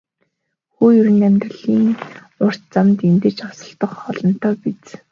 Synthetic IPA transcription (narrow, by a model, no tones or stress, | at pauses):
xuːjɵɾɘ̆næmʲt̪rə̆ɮiːŋ | ʊr̥t̪t͡samt̪ent̪ĕt͡ɕɔsɞ̆ɬt̪ɞ̆χχɔɮɞ̆n̥t̪ʰɔːpit͡s